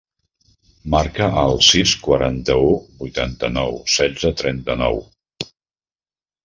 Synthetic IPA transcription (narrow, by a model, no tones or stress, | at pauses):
maɾkəəlˠsiskwəɾant̪əubujt̪ant̪ənɔwsɛd͡zət̪ɾɛnt̪ənɔ̰w